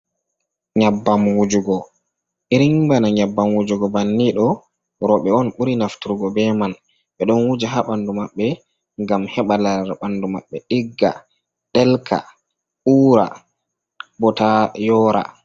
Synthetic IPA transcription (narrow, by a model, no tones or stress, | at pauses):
ɲabːamwud͡ʒuɡɔ | ʔiɾiŋbanaɲabːamwud͡ʒuɡɔbanːiɗɔ | ɾɔɓɛɔnɓuɾinaftuɾɡɔbɛman | ɓɛɗɔnwud͡ʒaɦaɓandumaɓːɛ | ŋɡamhɛɓalaɾɓanduma̰ɓːɛɗiɡːa̰ | ɗɛlkʰa̰ | ʔuːɾa̰ | bɔtajɔːɾa̰